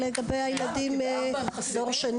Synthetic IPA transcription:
leɡabejajelad̪im | zoʁʃan

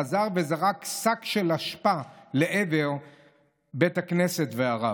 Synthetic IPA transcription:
azaʁbezaʁaksakʃe̞laʃpale̞ʔeveʁ | betaknesetveaʁa

